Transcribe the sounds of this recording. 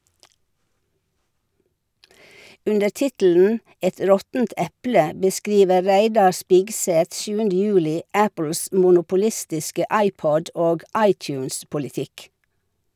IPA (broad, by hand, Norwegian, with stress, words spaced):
ˈʉndəɾ ˈtɪtl̩n̩ ˈɛt ˈɾɔtn̩t ˈɛplə bəˈskɾiːʋə ˈɾæɪdɑ ˈspɪɡˌsɛt ˈʃjʉːəndə ˈjʉːlɪ ˈæpl̩s mʊnʊpʊˈlɪstɪskə ˈɑɪˌpɔd ˈoːɡ ˈɑɪˌtjʉːnspʊlɪˌtɪk